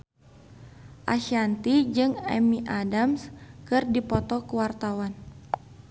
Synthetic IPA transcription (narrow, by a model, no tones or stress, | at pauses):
ʔa̰ʃant̪id͡ʒɨŋɛmiʔadamskɨrdipɔt̪ɔkəwart̪awan